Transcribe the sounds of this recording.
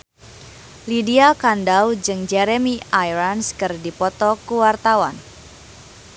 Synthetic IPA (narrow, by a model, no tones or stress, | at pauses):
lidiakandawd͡ʒɨŋd͡ʒɛɾemiajɾanskɨrdipɔt̪ɔkuwart̪awan